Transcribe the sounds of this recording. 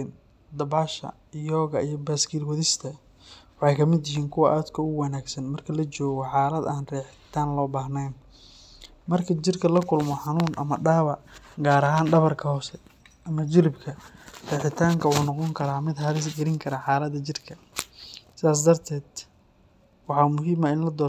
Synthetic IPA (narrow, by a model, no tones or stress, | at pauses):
n | d̪ɐbaːʃɐ̰ | jɔːɣɐijɞbaːskʰiːlwɐðɪst̪ʰɐ | wɑħɑjkʰɐmɪd̪jɪhiːŋkʰʊwɐʔaːd̪kʰɐʊwɑnaːɡsɐnmɐrkʰɐlɐt͡ʃɔːɣɔħaːlɐd̪aːnrɛːħɪ̥t̪ʰaːnlɔːbaːɦnɛjn | mɐrkʰɐt͡ʃɪrkʰɐlɐkʰʊlmɔħɑnuːnʔɐ̰mɐɖaːβɐɡaːɾɐɦaːnɖɐβɐrkʰɐhɔːsɛ | ʔɐmɐd͡ʒɪlɪbkʰɐrɛːħɪt̪ʰaːŋkʰɐwuːnɑqɔŋkʰɐɾaːmɪd̪hɐɾɪsɡɐlɪŋkʰɐɾaːħɑːlɐd̪ɐt͡ʃɪrkʰɐ | sɪaːs̬d̪ɐrt̪ʰɛːd̪ | wɑħɑːmʊɦiːmɐɪnlɐd̪ɔː